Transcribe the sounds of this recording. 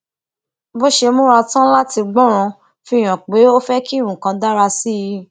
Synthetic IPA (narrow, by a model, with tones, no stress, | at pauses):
bo˦ʃe˧mõ˦ɾa˧tã˦la˦ti˧ɡ͡bɔ̃˦ɾ̃ã˧ | fi˧˦˨j̃ã˨k͡pe˨˦o˦fɛ˦ki˦ɾũ˨kã˧da˦ɾa˧si˦ji˧